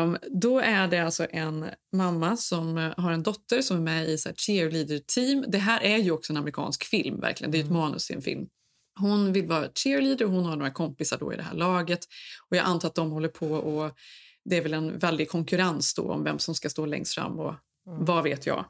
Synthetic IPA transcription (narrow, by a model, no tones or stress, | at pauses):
d̪ɔæɖɛalsɔʔɛnmamːasɔmɦaɾɛnd̪ɔt̪ːəɾsɔmæɾmɛɪsæːʂɪɾliːd̪əɾtʰiːmd̪ɛɦæːɾʔæɾjɵɔksɔɛnamɾɪkʰɑ̰ːnskfɪlmvæ̰ɾklɪɡənɛjʉɛt̪mɑːnɵ̰sɪɛ̰nfɪ̰lm | hʊnvɪlvɑːɾatɪliːd̪əɾɔhʊnhaɳoːɾakʰɔmpɪsaɖɔ̰ɪ̰d̪ɛɦæ̰ːɭɑːɡət̪ɔjɑːʔant̪ʰɑːɾat̪d̪ɔmhɔlːəɾpʰɔɔd̪ɛæɾvɛlɛnvɛld̪ɪɡ̚kʰɔŋkɵɾansd̪ɔ̰ɔ̰mvɛ̰msɔmskast̪oːlɛ̰ŋst̪fɾa̰mːɔ̰ | vaveːt̪ʰjɑ̰ː